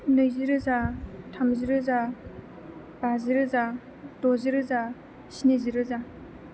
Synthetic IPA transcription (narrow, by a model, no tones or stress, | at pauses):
nɯjzɯɾɯzatʰamzɯɾɯza | b̥azɯɾɯza | dozɯɾɯza | ɕinizɯɾɯza